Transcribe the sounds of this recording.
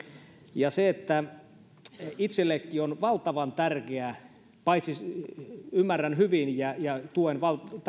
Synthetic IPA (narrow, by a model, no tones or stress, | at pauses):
jɑseet̪ːæ | it̪selːekːionʋɑlt̪ɑʋɑnt̪ærkeæ | pɑit̪si | ymːærænhyʋinjæjɑt̪uenʋɑl